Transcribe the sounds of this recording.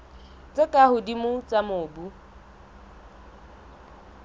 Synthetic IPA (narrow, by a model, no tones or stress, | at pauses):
t͡sʼɪkʼahʊdimʊt͡sʼamʊːbu